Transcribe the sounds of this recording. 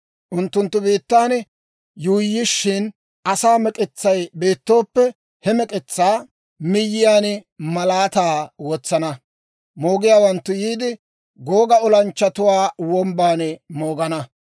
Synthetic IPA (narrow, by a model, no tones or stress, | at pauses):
ʔʊnt̪ːʊnt̪ːʊbiːt̪ːaːnɛ | juːjːɪʃːɪn | ʔɐsaːmɛkʼɪt͡sːɐjbe̞ːt̪ːo̞ːpːɛ | hɛmɛkʼɪt͡sːaː | mɪjːɪjaːnɛmɐlaːt̪aːwɔt͡sːɐnɐ | mo̞ːɡɪjaːwɐnt̪ːʊjiːd̪ɪ | ɡoːɡɐɔlɐnt͡ʃːɐt̪ʊwaːwɔmbaːnɛmo̞ːɡɐnɐ